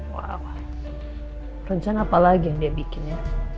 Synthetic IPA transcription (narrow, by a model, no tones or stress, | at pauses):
wa̰wa | rəɲt͡ʃanaːpalaɡijaŋdiabikɪna